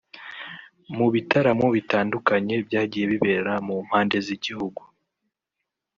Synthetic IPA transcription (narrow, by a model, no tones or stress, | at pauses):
muβitaɾamoβitaːndukaɲe̞bɟaːɟiːje̞βiβe̞ːɾamum̥haːnde̞ziɟihuɡu